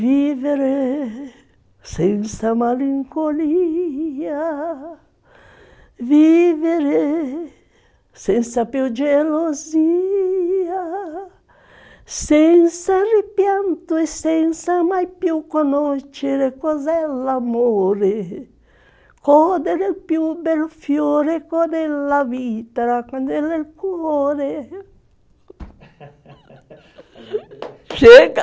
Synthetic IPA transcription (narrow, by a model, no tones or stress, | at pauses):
viːveɾe | sɛnt̪samaliŋkoli | a | viːveɾe | sɛnt̪sapjud͡ʒelozi | a | sɛnt̪saripjant̪oɛsɛnt̪samajpjukːonɔʃeɾekɔzɛlamoːɾe | kɔd̪eɾelpjubɛlfjoɾekɔd̪elːavit̪aakwand̪ɛlelkwɔːɾe | t͡ʃɛ